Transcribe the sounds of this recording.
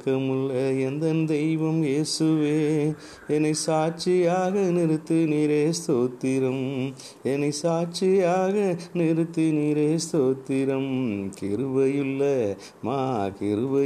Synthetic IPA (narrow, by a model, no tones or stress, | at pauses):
kːɐmɯɭːɐɛnd̪ɐnd̪ɛjʋɐmjeːsɯʋeː | ɛnɐɪsaːʈ̚t͡ʃɪjaːɣɐnɪɾɯt̪ːɯniːɾeːst̪oːt̪ːɪɾɐm | ɛnɐɪsaːt͡ʃɪjaːɣɐnɪɾɯt̪ːɯniːɾeːst̪oːt̪ːɪɾɐmkɪɾɯʋɐjɯlːɐ | maːkɪɾɯʋɐ